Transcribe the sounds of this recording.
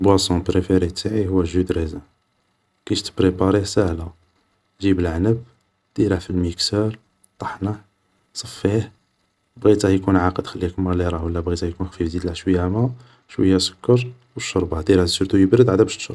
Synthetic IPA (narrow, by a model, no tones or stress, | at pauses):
lbwæsɔ̃pɾefeɾit̪aʕihʊwːæʒud̪ɾezæ | kæʃt̪ə̥bɾepɑɾˤisəhlæ | ʒibəlʕnəb̚ | d̪̥iɾəfilmiksəɾ | t̪ˤɑħnəħ | sˤɑfːih | bɣit̪æhjkunʕaqəd̪xælːiækmæliɾˤɑwəlːæbɣit̪æhjkunxfifd̪id̪læʃwəjːæmæ | ʃwə̰jːæsʊ̥kːəɾˤ | wəʃːoɾˤbɑd̪iɾæsəɾt̪ujəbɾəd̪ʕad̪æbæʃt̪ʃɾˤ